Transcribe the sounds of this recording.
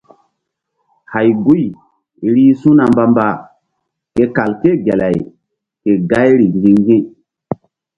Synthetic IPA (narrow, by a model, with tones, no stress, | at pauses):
ha˨jɡu˦j | ɾi˦sũ˦na˨mba˦mba˦˨ | ke˦ka˨lke˦˨ɡe˨la˨j | ke˨ɡa˦jɾi˨ŋɡi˦ŋɡĩ˦